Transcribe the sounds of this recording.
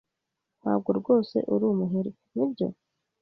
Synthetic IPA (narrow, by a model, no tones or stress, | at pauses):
n̥ha̰ːb̚ɡoɾɡo̞ːse̞̰ʔuɾumuɦeɾi | nibɟo̞̰